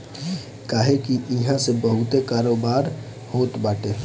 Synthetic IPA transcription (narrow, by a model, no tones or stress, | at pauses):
kaːɦekiʔɪɦãsebəɦʊt̪ekaːɾoːbaːɾ | hoːt̪baːʈeː